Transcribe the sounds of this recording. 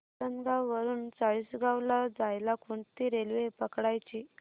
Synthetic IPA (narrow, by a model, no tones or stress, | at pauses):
əŋɡawʋəɾuːnt͡saɭiːsɡawlad͡zajlakʰuɳt̪iːɾelʋepəkɽajt͡ɕi